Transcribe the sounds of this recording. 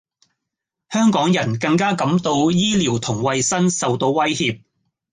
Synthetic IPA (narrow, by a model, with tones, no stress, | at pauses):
hœː˥ŋkɔː˨˥ŋjɐ˨˩nkɐ˧ŋkaː˥kɐ˨˥mt̪o˧wjiː˥liː˨˩wt̪ʰʊ˨˩ŋwɐ˧jsɐ˥nsɐ˨wt̪o˧wːɐ˥jhiː˧p̚